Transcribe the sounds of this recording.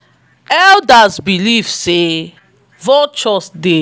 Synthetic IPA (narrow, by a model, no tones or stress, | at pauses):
ɛldasbilivse | vɔt͡ʃɔsde